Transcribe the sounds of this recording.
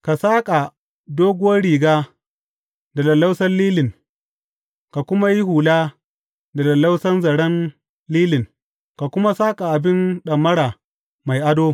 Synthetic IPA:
ka˨saː˦kʼa˨ | doː˦ɡʷʊ˦wɐ˦rɽiː˨ɡaː˦ | da˨lɐ˨lːa˦wsɐ˦nliː˦lɪ˨ŋ | ka˨kʷʊ˦ma˦ji˦huː˨laː˦ | da˨lɐ˨lːa˦wsɐ˦nzɐ˨ɽɐ˦n | liː˦lɪ˨ŋ | ka˨kʷʊ˦ma˦saː˦kʼa˨ʔa˨bɪ˦nɗɐ˨mːɐ˦ɽaː˨ | ma˨jʔa˦doː˦

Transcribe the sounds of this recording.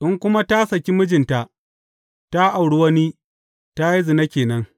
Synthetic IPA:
ʔɪ˦ŋkʷʊ˦ma˦ta˦sɐ˨kʲi˦mʊ˦d͡ʒɪ˨nta˨ʔ | ta˦ʔa˨wɽu˦wɐ˦ni˦ | ta˦ji˦zɪ˨na˦kʲeː˨nɐ˦ŋ

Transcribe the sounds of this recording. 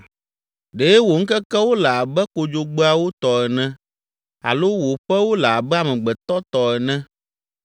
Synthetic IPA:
ɖe˨˦wo˨ŋ̩˦kɛ˦kɛ˦wo˦la˨a˨bɛ˦ko˨d͡ʒo˨ɡ͡bɛ˦a˨wo˦t̪ɔ˨ɛ˨nɛ̃˦ | a̰˨lo˦wo˨ɸɛ˦wo˦la˨a˨bɛ˦a˨mɛ̃˨ɡ͡bɛ˨t̪ɔ˦t̪ɔ˨ɛ˨nɛ̃˦

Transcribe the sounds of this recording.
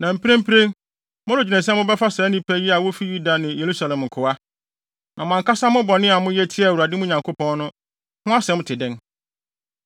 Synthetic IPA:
nã˨m̩˨pʰẽ˦m̩˦pʰɾẽ˦ŋ | mʊ̃˦ɾʊ˨d͡ʑi˨nɛ̃˨sɛ̃˦mʊ̃˦bɛ˦fa˦sɛ˨˦nĩ˦pʰæ˦ji˦a˨wo˦fi˦ju˦da˨nɪ̃˨je˨ɾu˦sa˨lɛ̃˨m˨ŋ̩˨kʰʊ˨a˦ | nʔã˨mʊ̃˨ã˨ŋkʰa˦sa˦mʊ̃˦bɔ˨nɪ̃˦a˨mʊ̃˦jɛ˦tʰɪ˦ɛ˨wu˨a˨dɪ˦mʊ̃˦ɲã˨ŋkʰo˦pʰɔ̃˦nnʊ̃˦ | hʊ̃˦a˦sɛ˨˦mʊ̃˦tʰɪ˨dɪ̃˦n

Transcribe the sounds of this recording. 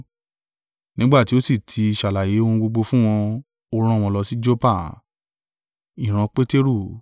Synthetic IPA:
nĩ˦ɡ͡ba˦˨ti˦o˦si˦˨tʰi˧i˧ʃa˨la˨je˨˦o˦˧hũ˧ɡ͡bo˧ɡ͡bo˧fũ˦w̃ɔ̃˧ | o˧ɾ̃ã˦˨w̃ɔ̃˧lɔ˧si˦d͡ʒo˦pa˦˨ | i˨ɾ̃ã˧k͡pe˦te˦ɾu˦˨

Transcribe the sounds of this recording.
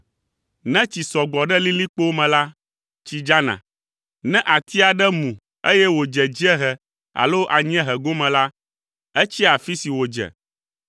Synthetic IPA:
nɛ̃˦t͡ɕi˨sɔ˨ɡ͡bɔ˨ɖɛ˦li˦li˦k͡po˦mɛ̃˨la˦ | t͡ɕi˦d͡ʒa˦nã̰˨ | nɛ̃˦ʔa˨t̪ʰi˦a˨ɖɛ˦mũ˨ | e˦jɛ˦wo˨d͡ʒɛ˨d͡ʑi˦ɛ˦ɦɛ˨ | a̰˨lo˦ʔa˨ɲ̃˦ɛ̃˦ɦɛ˨ɡo˦mɛ̃˨la˦ | ɛ˦t͡ɕi˦a˨fi˦si˨wo˨d͡ʒɛ̰˨

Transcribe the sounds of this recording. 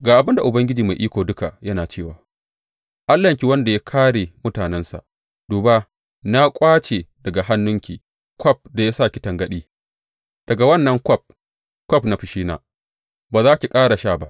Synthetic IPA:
ɡaː˨ʔa˨bɪ˦nda˨ʔʊ˨bɐ˦ŋɡʲɪ˦d͡ʒiː˨ma˨jʔiː˦kʷoː˨dʊ˦ka˨jɐ˦naː˨t͡ʃeː˦˨waː˨ | ʔa˦lːɐ˨ŋkʲi˦wɐ˦nda˨ja˦kʰaː˦ɽeː˨mʊ˦taː˨nɛ˦nsa̰˨ʔ | d̥uː˨ba˦ | na˦kʷʼaː˦t͡ʃe˨dɐ˨ɡa˨ɦa˦nːʊ˦ŋkʲḭː˨ | kʰʷɔ˦p̚da˨ja˦saː˦˨kʲɪ̥˦tɐ˨ŋɡɐ˦ɗiː˦ | d̥ɐ˨ɡa˨wɐ˦nːɐ˦ŋkʷɔ˦˨p̚ | kʷɔ˦pna˦ɸɪ˨ʃiː˦na̰ː˨ | baː˨zaː˦kʲi˨kʼaː˦ɽa˨ʃaː˦˨ba˦ʔ

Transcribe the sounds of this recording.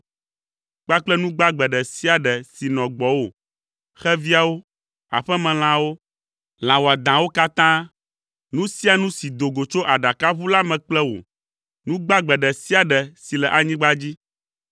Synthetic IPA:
k͡pa˦k͡plɛ˦nũ˦ɡ͡ba˦ɡ͡bɛ˨ɖɛ˨si˦a˨ɖɛ˨si˨nɔ̃˨ɡ͡bɔ˨wo˨ | xɛ˦vi˦a˨wo˦ | a̰˨ɸɛ˦mɛ̃˨l̃ã˨wo˦ | l̃ã˨wɔ˨a˨d̪ã˨wo˦ka˦t̪ã˦ | nũ˦si˦a˨nũ˦si˨d̪o˨ɡo˨t͡ʃo˦ʔa˨ɖa˨ka˦βu˦la˦mɛ̃˨k͡plɛ˦wo̰˨ | nũ˦ɡ͡ba˦ɡ͡bɛ˨ɖɛ˨si˦a˨ɖɛ˨si˨lɛ˨ʔa˨ɲĩ˦ɡ͡ba˦d͡ʑi˦

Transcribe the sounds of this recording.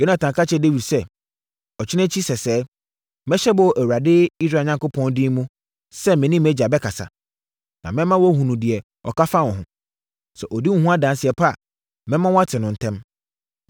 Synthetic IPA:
jo˦nã˨tʰã˨ŋkʰa˦t͡ɕʰɛ˦de˦wi˨dsɛ˦ | ɔ˨t͡ɕʰᶣɪ˦nɛ̃˦t͡ɕʰi˦sɛ˨sɛː˨˦ | mɛ̃˦ɕɛ˦bɔ˨ʔæ˨wa˨dɪ˦i˦sɾa˨ɲã˨ŋko˦pʰɔ̃˦ndɪ˦mũ˦ | sɛ˦mɛ̃˨nĩ˦mɛ˦d͡ʑa˨bɛ˦kʰa˨sa̰˨ | nã˨mɛ̃˦mã˦wɔ˦hũ˨nũ˨dɪ˨ɛ˨ | ɔ̰˨ka˦fa˦wɔ̃˨ɦʊ̃˨ | sɛ˨ʔɔ˨di˦ŋ̩ũ˦hũ˦a˦dã˨n˦sɪ˨ɛ˨pʰa˦˨ | mɛ̃˦mã˦wɔ˦a˦tʰɪ˨nʊ̃˨n̩˨tʰɛ̃˦m

